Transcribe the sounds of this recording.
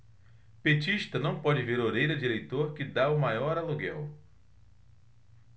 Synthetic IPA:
pet͡ʃiʃt̪ɐnɐ̃w̃pɔd͡ʒɪveɾoɾejɾɐd͡ʒiɾejt̪oɾkɪd̪aʊmajɔɾaluɡɛw

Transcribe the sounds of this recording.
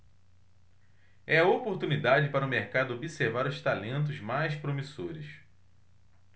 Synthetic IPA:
ɛɐopoɾt̪unid̪ad͡ʒɪpaɾʊmeɾkad̪ʊobiseɾvaɾʊʃt̪alẽnt̪̬ʊzmajspɾomisoɾɪs

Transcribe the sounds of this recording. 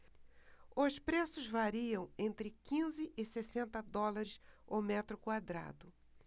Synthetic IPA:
ʊspɾesʊzvaɾiɐ̃w̃ẽnt̪ɾɪkĩzɪʔɪsesẽnt̪ɐd̪ɔlaɾɪsomɛt̪ɾʊkwad̪ɾa̰d̪ʊ

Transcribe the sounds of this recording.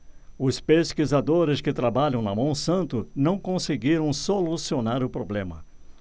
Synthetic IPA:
ʊspeskizad̪oɾɪskɪt̪ɾabaʎɐ̃w̃nɐmɐ̃w̃sɐ̃nt̪ʊnɐ̃w̃kõseɡiɾɐ̃w̃solusionaɾʊpɾoblẽmɐ

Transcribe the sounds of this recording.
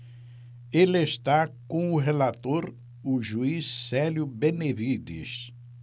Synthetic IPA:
elest̪akõʊɦelat̪oɾ | ʊʒuisːɛljʊbenevid̪ḭs

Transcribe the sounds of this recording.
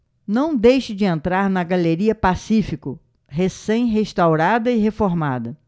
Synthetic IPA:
nɐ̃w̃d̪ejʃɪd͡ʒɪẽnt̪ɾaɾnɐɡaleɾiɐpasifikʊ | ɦesẽj̃ɦeʃt̪awɾad̪ɐɪɦefoɾmad̪ɐ

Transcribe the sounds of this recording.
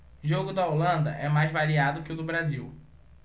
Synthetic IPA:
ʒoɡʊd̪ɐolɐ̃nd̪ɐ̰ʔɛmajzvaɾiad̪ʊkɪʊd̪ʊbɾaziw

